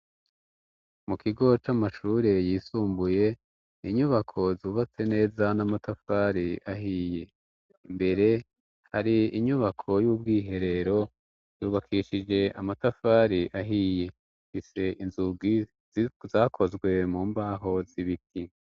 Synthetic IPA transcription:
mukiɡo̞t͡ʃamaʃuːɾe̞jiːsuːmbuje̞ | iɲuβakʰo̞zuːβat͡se̞ne̞ːzanamatafaɾiaɦiːje̞ | mbe̞ɾe̞ | ha̰ɾiiɲuβakʰo̞juːb̚ɡiːɦe̞ɾe̞ɾo̞ | juːβakʰiʃid͡ʒe̞ʔamatafaɾiʔaɦije̞ | fise̞ʔinzuɡi | zaːkʰo̞zɡwe̞muːmbaːɦo̞ziβit̚i

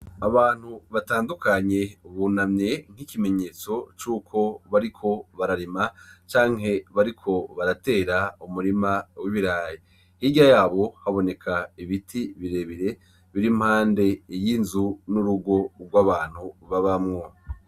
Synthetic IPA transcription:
aβaːn̥huβataːndukaɲe̞βunamɲe̞ŋ̥ikime̞ɲe̞ːt͡so̞t͡ʃuːkʰo̞βaɾikʰo̞βaɾaɾimat͡ʃaːŋɦe̞βaɾikʰo̞βaɾate̞ːɾaumuɾimawiβiɾaːje | hiɟajaːβo̞haβo̞ne̞kʰaiβitʰiβiɾe̞βiɾe̞ | βiɾim̥haːnde̞jinzunuɾuɡo̞ɾɡwaβaːn̥huβaβamŋo̞

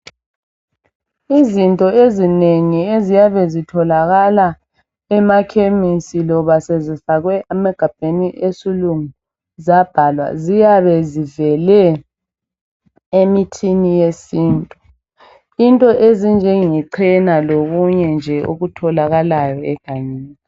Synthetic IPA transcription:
izintʼɔezineŋiezijaβɛzitʰɔlaɣala | ɛmakʰemisilɔβasezifaɣwɛʔamaɡ̥ʱab̥ʱeniʔesiluŋu | zab̥ʱalwa̰zijaβɛzivɛlɛ | emitʰinijesiːntʼu | intʼɔʔezind͡ʒʱɛŋiǀʰɛnaloɣuɲɛnd͡ʒʱɛo̰ɣutʰɔlaɣalajɔɛɡ̥ʱaɲiːnni

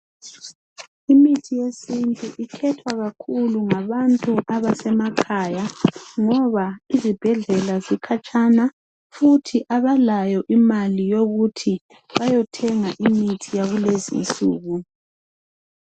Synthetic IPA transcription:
imitʰijesintʼuʔikʰɛtʰwaɣakʰuluŋaβantʼuʔaβasɛmakʰaːjaŋɔβaizib̥ʱɛɮɛlazikʰat͡ʃʼana | futʰiʔaβalajɔʔimalijoɣutʰi | βajɔtʰɛŋaʔimitʰijaɣulezḭnt͡sʼṵːɣu

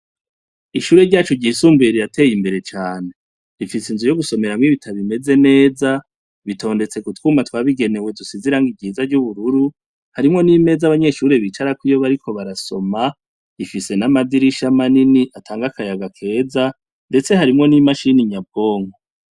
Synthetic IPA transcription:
iʃuːɾe̞ɾɟaːt͡ʃoɟiːsuːmbeɾijatʰe̞ːjimbe̞ɾe̞t͡ʃaːne̞ | ɾifisinzujo̞ɡuso̞me̞ɾamŋiβitʰaβime̞ze̞ne̞ːza | βitʰo̞ːnde̞t͡se̞kutwuːmatwaːβiɡe̞ne̞we̞dusiziɾaːŋɡiɡɟiːzaɾɟuβuɾuɾu | haɾimŋo̞nime̞zaβaɲe̞ʃuːɾeβit͡ʃaɾakwijo̞βaɾiko̞βaɾaso̞ma | ifise̞namadiɾiʃamaniniʔatʰaːŋɡakajaɡakʰe̞ːza | nde̞t͡se̞haɾimŋo̞nimaʃiniɲab̚ɡo̞ːŋɡo

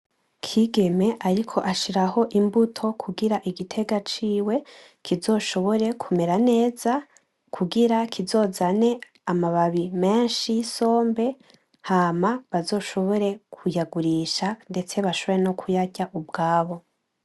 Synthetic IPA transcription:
kʰiːɡe̞me̞ʔaɾikʰo̞ʔaʃiɾaho̞ʔimbutʰo̞kʰuɡiɾaʔiɡitʰe̞ɡat͡ʃiːwe̞ | kizo̞ːʃo̞βo̞ɾe̞kʰumeɾane̞ːza | kʰuɡiɾakʰizo̞ːzane̞ | amaβaβime̞ːnʃijiso̞ːmbe̞ | haːmaβazo̞ːʃo̞βo̞ɾe̞kʰujaɡuɾiʃande̞t͡se̞βaʃoβoɾeno̞kʰujaɟaʔub̚ɡaːβo̞

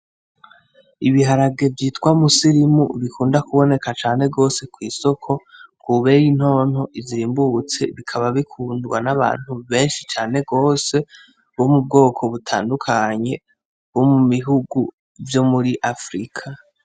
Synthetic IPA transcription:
iβiɦaɾaɡe̞vjiːtkwamusiɾimṵβikʰuːndakuβo̞ne̞kat͡ʃaːn̥e̞ɡo̞se̞kwiːso̞kʰo̞kʰuβe̞jin̥ho̞ːn̥hoʔiziːmbut͡se̞̰βikʰaβaβikʰuːndɡwa̰naβa̰ːn̥huβe̞ːnʃit͡ʃaːne̞ɡo̞ːse̞ | omub̚ɡo̞ːkʰo̞βutʰa̰ːndukʰaɲe̞ | βomuβiɦuɡu | vjo̞muɾiʔafɾikʰa

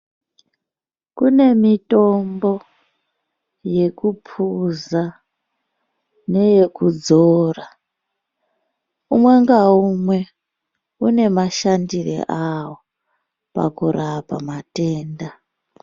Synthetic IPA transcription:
kune̞mito̞mbo̞ | je̞kupʰuza | ne̞je̞kud͡zoːra | umwe̞ŋɡaumwe̞ | une̞maʃandirḛʔawo | pa̰kuɾʔapamateːnda

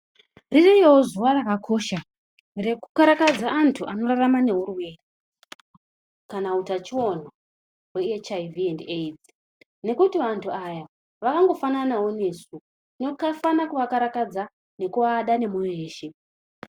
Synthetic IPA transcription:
ririjewozuwarakakʰo̞ːʃa | re̞kukaɾakad͡zaantʰuʔano̞ɾaramane̞ɦuruwe̞ːre | kanautat͡ʃiwo̞n̤o | we̞et͡ʃaiviendeid͡zi | ne̞kutiʋantʰuaja | ʋakaŋɡo̞fananawo̞ne̞ːsu | nokafanakuʋakaɾakad͡za | ne̞kuʋaɗane̞mujeeːʃe̞

